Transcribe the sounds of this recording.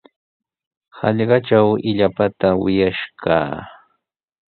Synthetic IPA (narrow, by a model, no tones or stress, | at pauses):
hɑʎɢɑt͡ʃawɪʎapat̪awɪjaʃka̰ː